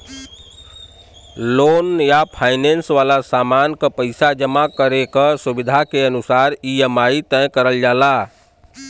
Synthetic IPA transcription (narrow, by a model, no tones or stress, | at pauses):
lonjapʰajnensʋalasamankəpəɪsad͡ʒəmakəɾekəsubid̪ʱakeənusaɾijəmait̪ə̃j̃kəɾəld͡ʒala